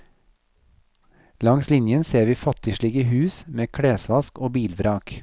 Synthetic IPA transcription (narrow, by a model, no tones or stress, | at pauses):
lɑŋslɪnjənseːʋiːfɑt̪ɪʃɭiɡəhʉːsmeːkʰɽeːsʋɑskoːbiːlʋɾɑːk